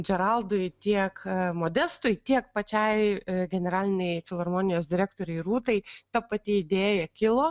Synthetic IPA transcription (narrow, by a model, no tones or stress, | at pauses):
d͡ʒʲɛɾɐlˠd̪ʊjt̪ʲiɛkmoːd̪ʲɛst̪ʊjt̪ʲiɛk̚pɐt͡ʃʲɛɪɡʲɛnʲɛɾɑːlʲɪnʲɛɪfʲɪlˠɐrmoːnʲɪjoːsd̪ʲɪɾʲæːkt̪oːɾʲɛɪruːt̪ɐɪt̪ɐpɐt̪ʲɪɪd̪ʲeːjɛkʲɪlˠoː